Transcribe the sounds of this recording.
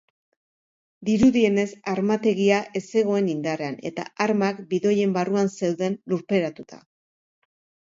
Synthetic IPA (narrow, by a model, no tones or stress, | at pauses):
d̪iɾuðie̞ne̞saɾmat̪e̞ɣiaʔʔe̞se̞ɣ̞o̞e̞nind̪are̞ane̞t̪a̰aɾmakbiðo̞je̞mbaruanse̞wðe̞nluɾpe̞ɾat̪ut̪ʰa̰